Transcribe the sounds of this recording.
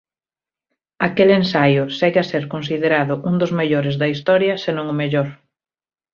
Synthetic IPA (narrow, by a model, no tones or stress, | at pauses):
akelensajʊsɛɣaseɾkons̬iðeɾaðʊʔuŋd̪ʊzmeʎoɾezðɐist̪ɔɾjɐsenõŋʊmeʎoɾ